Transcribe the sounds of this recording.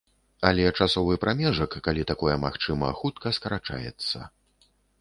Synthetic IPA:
ɐlʲɛt͡ʂasɔvɨpɾʔamʲɛʐɐkːalʲit̪akɔjɛmaxt͡ʂɨmɐxut̪̚kɐskɐɾat͡ʂa̰jɛ̰t̪sːɐ̰

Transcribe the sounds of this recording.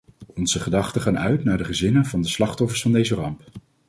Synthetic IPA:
ɔnzəχədɑχtəχaːnœɥtnaːɹdəχəzɪnənvɑndəslɑχtɔfəɹsfɑndejzərɑmp

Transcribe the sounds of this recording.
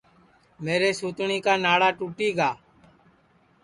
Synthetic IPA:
meːɾeːsuːt̪ɳiːkaːnaːɽaːʈuːʈiːɡaː

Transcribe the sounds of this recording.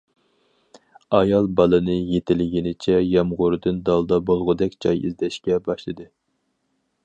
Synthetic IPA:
ɑjɑlˠbɑlˠɨnɨjet̪ʰɪlɡʲinɪt͡ʃʰɛjɛmʁʊɾɨd̪ɨnd̪ɑlˠd̪ɑbolˠʁʊd̪ɛkʲd͡ʒɑjḭzd̪ɛʃkʲɛbɑʃlˠɨd̪ɨ

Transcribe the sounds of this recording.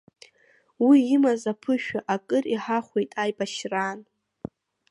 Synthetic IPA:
wiːmazapʰɨʃᶣaʔakʼɨriħaχʷejtʼajbaʃran

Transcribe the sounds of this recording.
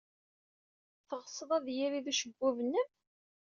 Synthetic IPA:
θəʁəsˤəðˤæðjiɾiðuʃəɡːʊvənːəm

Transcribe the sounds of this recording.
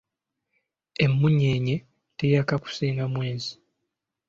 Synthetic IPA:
emːuɲeɲe | tejakaku̥siːŋnɡamwe̞ːzi

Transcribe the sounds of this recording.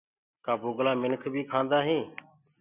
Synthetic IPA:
kaːbʊːɡlaːmɪnkʰbʱiːkʰãːnd̪aːɦĩː

